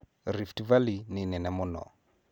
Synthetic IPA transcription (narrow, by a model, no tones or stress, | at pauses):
ɾiftivalinɪnɛnɛmʊnɔ̰